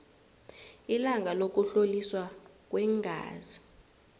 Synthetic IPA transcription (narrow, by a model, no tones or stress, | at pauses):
ilaŋʱalok̬ʼuɬoliswak̬ʼwɛŋʱa̰ːzi